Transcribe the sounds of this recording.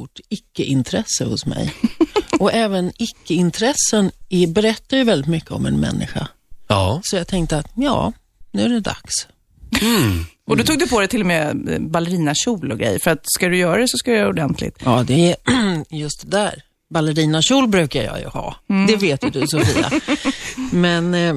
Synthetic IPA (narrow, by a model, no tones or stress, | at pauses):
ʊʈːɪkːəʔɪnt̪ʰɾɛsːəhʊsmɛ̰j | ɔɛːvənɪkːəɪnt̪ʰɾɛsːənɪbɛɾɛt̪ːajɵvɛld̪ɪt̪mʏkːəɔ̰mɛ̰nmɛ̰nːɪ̰ɧa̰ | sɔjɑːɡt̪ʰɛŋkt̪əat̪jɑ̰ː | nʉ̟ːæɖɛd̪a̰ks | ʔɔd̪ɔt̪uːɡ̪̚d̪ɵpʰɔd̪ɛt̪ʰɪlɔmebalːɛɾiːnaɕuːlɔɡɾɛ̰jfœɾat̪skad̪ɵjœːɾad̪ɛsɔskad̪ɛjœːɾaʊd̪ɛnt̪ʰlɪ̰t̪jɑːd̪ɛ | jɵst̪̚d̪ɛd̪æːɾ | balːəɾiːnaɕuːlbɾʉ̟ːkajɑ̰jɵ̰hɑ̰ːd̪ɛveːt̪jɵd̪ɵsɔfiːa̰ | mɛn